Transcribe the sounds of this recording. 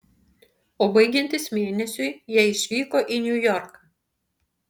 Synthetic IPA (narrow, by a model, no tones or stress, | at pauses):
oːbɐɪɡʲɛnʲt̪ʲɪsmʲeːnʲɛsʲʊɪjiɛɪʃʲʋʲiːkoːʔinʲʊjɔɾkɐ